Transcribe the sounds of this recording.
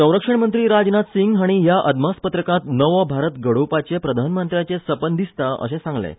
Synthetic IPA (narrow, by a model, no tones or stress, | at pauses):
sə̃w̃ɾəkʂəɳmənt̪ɾiːɾad͡znat̪siŋɡɦaɽ̃iɦjaʔəd̪maspət̪ɾəkãt̪nəʋəbʱaɾət̪ɡəɽ̤opat͡ɕepɾəd̪ʱanmənt̪ɾjat͡sesəpənd̪ist̪aʔə̰ɕẽsãŋɡlḛ